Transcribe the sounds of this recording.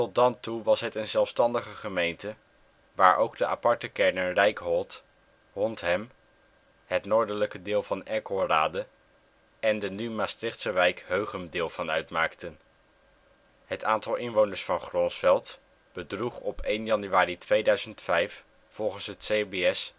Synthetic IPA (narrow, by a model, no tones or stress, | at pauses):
tɔt̚dɑntuʋɑsɦətənzɛlˠfstɑndəχəχəmejntə | ʋaːɹʔo̰wɡdəʔa̰pɑɹtəkɛɹnərɛjkɦɔlˠt | ɦɔntɦɛm | hətnoːɹdələkədɪːlˠvɑnɛɹkoraːdə | ɛndənymaːstrɪχtsəʋɛjkɦøɥχəmdɪːlˠvɑnœɥtmaːktən | ɦətʰaːntɑlˠɪnʋownəɹsfɑnχrɔnsfɛlˠt | b̥ədruχɔpejnjɑnyaːritʋejdœɥzəntfɛjf | fɔlˠχənsɦətsebeɛs